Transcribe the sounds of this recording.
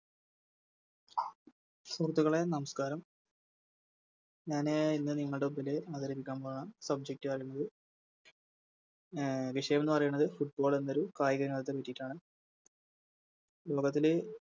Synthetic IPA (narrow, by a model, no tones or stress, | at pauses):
surt̪ːɐɣɐɭe̞nɐmɐskaːɾɐm | ɲaːneinːɨniŋːɐɭɖeubileaːd̪ɐɾipːikʲːaːmboːɳasɐb̚d͡ʑek̚ʈːɨpɐrɐjuɳːɐðɨ | ʋiʂɐjɐmenːɨpɐrɐjuɳːɐðɨfuʈ̚bo̞ːɭe̞nːo̞ɾukaːjiɡɐɾŋɐt̪ɐt̪ːepɐtːijiʈːaːɳɨ | lo̞ːɡɐt̪ːil